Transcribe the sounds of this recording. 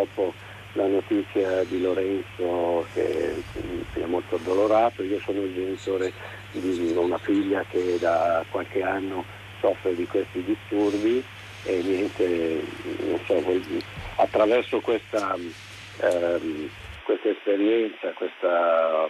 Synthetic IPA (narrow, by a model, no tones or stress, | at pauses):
ɔpːo | lanot̪it̪sːjad̪iloɾɛnsok̟ʰḛ | siɛmːolt̪od̪oloɾaːt̪oiːosoːnoild͡ʒenit̪oːɾe | d̪iunafiʎːak̟ed̪akwalk̟eanːo | sɔfːɾed̪ikwest̪id̪ist̪urbi | enːjɛnt̪e | no̰nsɔvɔjd̪ia̰t̪ːɾavɛrsokwest̪a | kwest̪aespeɾjɛnt̪sakwest̪a